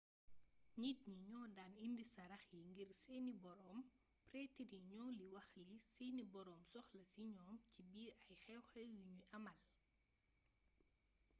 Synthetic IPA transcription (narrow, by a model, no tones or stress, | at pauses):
ɲit̚ɲiɲɔːdaːnindisɐɾɐxjiŋɡirsɛːnibɔɾɔːm | prɛːtiɾiɲɔːliwɐxlisiːnibɔɾɔːmsɔxlɐsiɲɔːmcibiːɐjxɛwxɛwjuɲujɐmɐl